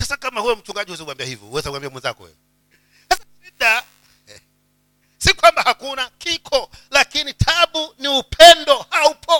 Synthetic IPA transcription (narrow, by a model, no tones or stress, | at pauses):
sasakamahujɔm̩t͡ʃuŋɡaʄiuwɛzauwambiahivjɔ̰huwɛzauwambiamwɛnza̰kɔ̰wɛ̰ | sasaʃiɗa | sikwambahakunakikʰɔlakinitʰaɓuniupʰɛndɔhaupʰɔ